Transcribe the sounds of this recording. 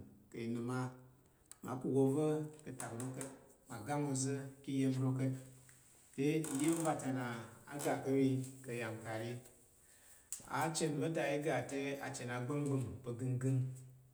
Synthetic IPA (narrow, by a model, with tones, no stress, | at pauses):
kə˨ji˨nu˨ma˦ | ma̰˨˦pu˨wo˨və˦kə˨ta˨bɾo˦kə˦ma˨ɡa˦mo˧˨zɨ˦ki˦je˦vɾo˦kə˦ | te˦˨je˦m˦va˨ta˨na˨a̰˨ɡa˨kə˦wi˦kə˨ja˨m˨ka˨ji˦ | a̰˨˦t͡ʃe˦n˨bə˦da˨ji˦ɡa˨te˦a˨t͡ʃe˨na˨˦ɡ͡bə˦n˦ɡ͡bɨ˦m˨pə˨ɡɨ˦nɡɨ˦n